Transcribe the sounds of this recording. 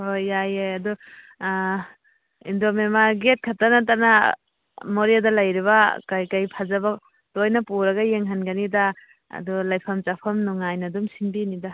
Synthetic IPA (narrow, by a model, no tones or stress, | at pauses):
hojajeadu | indomemaɡet̚kʰatanatana | moɾijadalajɾiβakajkajpʰazaba | tojnapuɾɐɡajeŋɦanɡanida̰ː | dulajpʰɐmt͡ʃapʰɐmnuŋajnɐdumsinbinida